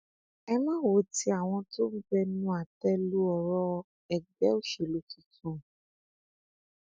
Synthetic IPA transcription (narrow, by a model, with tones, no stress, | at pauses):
ɛ˧mã˦wo˨˦ti˦a˨w̃ɔ̃˧to˦bi˦bɛ˦nũ˦a˨tɛ˦lu˦ɔ˧˨ɾɔ˦ | ɛ˨ɡ͡bɛ˦o˦ʃe˨lu˦ti˦tũ˦˨